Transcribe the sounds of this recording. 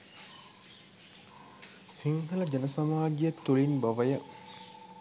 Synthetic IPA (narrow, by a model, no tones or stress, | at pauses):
siŋɡələd͡ʒɐnɐsɐmaːd͡ʒijɐt̪ːuɭinbɐʋəjə